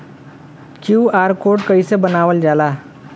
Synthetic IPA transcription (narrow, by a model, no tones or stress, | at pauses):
kuwaɾkoʈkəjsebənaʋəld͡zala